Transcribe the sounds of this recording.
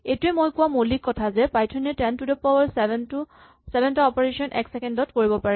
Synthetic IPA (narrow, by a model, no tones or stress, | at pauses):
etʊɛmojkuwamolikːɔtʰazɛpajtʰɔnɛtɛntudɔpɔbaɹsnu | sɛbɛntaɔpɔɹesɔnʔɛ̰ksɛkɛndɔtkoɹibɔpaɹɛ